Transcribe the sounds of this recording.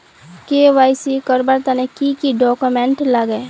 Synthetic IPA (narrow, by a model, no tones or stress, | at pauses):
keʋaːisikəɾbaɾt̪anẽkikiɖɔːkumɛ̃ɳʈlaɡeː